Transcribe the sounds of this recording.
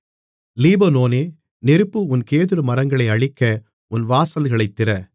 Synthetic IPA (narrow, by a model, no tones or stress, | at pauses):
liːbɐnoːneː | nɛɾɯpːɯʊnkeːðɯɾɯmɐɾɐŋɡɐɭɐɪɐɭɪkːɐ | ʊnʋaːsɐlɣɐɭɐɪt̪ːɪrɐ